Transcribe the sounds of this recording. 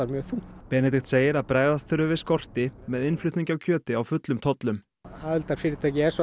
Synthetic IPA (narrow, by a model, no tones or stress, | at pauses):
aɾmjœːɣθupɛnɛt̪̬ɪxt̪seːjɪɾaðpɾaːjðat̪ʰʏɾʏvɪskɔr̥t̪ɪmɛðɪnflʏɥt̪niŋcawcʰœːt̪ɪawfʏt̪lʏmt̪ʰɔt̪lʏm | aːʏlt̪aɾfɪːɾɪt̪ʰacɪɛɾsɔ